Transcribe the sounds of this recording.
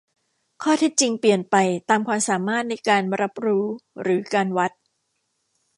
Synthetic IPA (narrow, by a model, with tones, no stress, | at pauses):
kʰɔː˥˩t̪ʰe˦˥t̪̚t͡ɕi˧ŋpli˨˩ənpa˧jt̪aː˧mkʰwaː˧msaː˩˦maː˥˩t̪̚na˧jkaː˧nɾa˦˥p̚ɾuː˦˥ɾɯː˩˦kaː˧nwa˦˥t̪̚